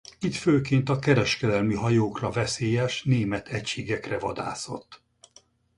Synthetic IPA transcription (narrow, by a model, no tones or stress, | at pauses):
it̪føːkeːnt̪ɒkɛɾɛʃkɛd̪ɛlmiɦɒjoːkrɒvɛseːjɛʃneːmɛt̪ʰɛcʃeːɡɛkrɛvɒd̪a̰ːso̞̰t̪ː